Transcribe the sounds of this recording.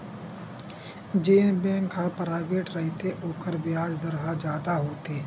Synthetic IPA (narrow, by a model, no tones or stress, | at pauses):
d͡ʒeːnbɛ̃ːŋkɦãpɾaːʋeːʈɾəɦɪt̪eʔoːkəɾbiaːd͡ʒd̪əɾɦad͡ʒjaːd̪aɦoːt̪eː